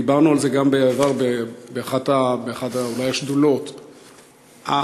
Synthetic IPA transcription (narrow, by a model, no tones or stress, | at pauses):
ibaʁnualze̞ɡambeavaʁbebeaχat̪abeaχad̪aulajaʃdulo̞t̪ | a